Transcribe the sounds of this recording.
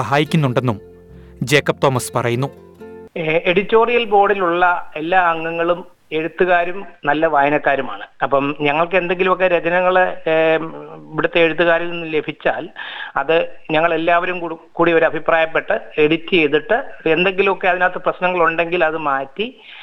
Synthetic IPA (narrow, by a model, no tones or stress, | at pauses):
ɐɦaːjikʲːunːuɳɖe̞nːum | d͡ʑe̞ːkːɐp̚t̪o̞ːmɐspɐrɐjunːu | e̞ɽitːo̞ːrijɐlbo̞ːɽiluɭːɐe̞lːaːɐŋːɐŋːɐɭum | e̞ɻut̪ːuɣaːɾumnɐlːɐʋaːjɐnɐkːaːɾumaːɳɨɐpːɐmɲɐŋːɐɭkɨe̞nd̪e̞ŋɡilumokːeɾed͡ʑɐnɐŋːɐɭ | ʋiɽut̪ːeeɻut̪ːuɣaːɾuminːɨle̞bʱit͡ɕːaːlɐðɨɲɐŋːɐɭe̞lːaːʋɐɾumkuːɽiɐoʋɐɾɐbʱipraːjɐpːe̞ʈːɨeɽitːɨjejðuʈːɨe̞nd̪e̞ŋɡilumokːe̞ɐðinoːt̪ːɐprɐɕnɐŋːɐɭuɳɖe̞ŋɡilɐðɨmaːtːi